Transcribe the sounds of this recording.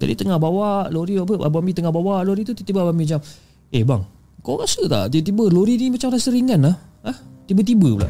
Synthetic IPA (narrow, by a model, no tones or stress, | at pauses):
d͡ʒa̰dit̪əŋahbawaʔloɾiwapəʔabamit̪əŋahbawaʔloɾit̪ut̪it̪ibəabamid͡ʒam | ehba̰ŋ | kawɾasət̪a̰ʔt̪it̪ibəloɾinimat͡ʃamɾasəɾiŋanlahaht̪ibət̪̬ibəpula̰ʔ